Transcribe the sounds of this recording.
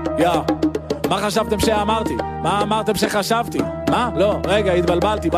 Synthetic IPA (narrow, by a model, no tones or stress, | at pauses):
ja | maχaʃavt̪e̞mʃeamaʁt̪i | maːmaʁt̪e̞mʃeχaʃavt̪i | malo̞ʁeɡait̪balbalt̪ib